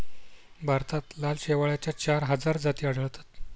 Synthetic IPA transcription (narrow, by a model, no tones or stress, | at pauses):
bʱaɾt̪at̪lalɕeʋaɭjat͡ɕjat͡ɕaɾɦəd͡zaɾd͡zat̪iːaɽ̤əɭt̪ḁt̪